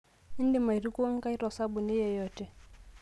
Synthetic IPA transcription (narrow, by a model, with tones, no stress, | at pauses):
ɪ˦ndi˦˨ma˨i˨ɾi˦ku˦wa˦ŋ˦ka˦i˦ɾɔ˨sa˦bu˨ni˦jɛ˨jɔ˦˨tɛ˨